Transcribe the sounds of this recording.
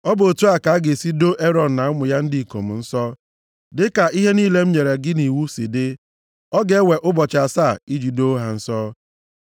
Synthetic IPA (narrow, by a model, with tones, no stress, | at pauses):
ɔ˦bʊ˨o˨tu˦a˨ka˨˦ɡe˨si˦do˦ʔe˦ɾɔ˨n̩˨na˨ʊ˦mʊ˨ja˦n̩˦di˦i˨ko̰˨m̩˨n̩˦sɔ˦ | dɪ˦ka˨ʔi˦ɦe˦niː˦le˦m̩˦ɲe˨ɾe˨ɡɪ˦ni˨wu˦sɪ˨dɪ˦ | ɔ˦ɡe˦we˨ʔʊ˦bɔ˨t͡ʃa˨sa˦˨i˦d͡ʒi˨do˦ɦa˨n̩˦sɔ˦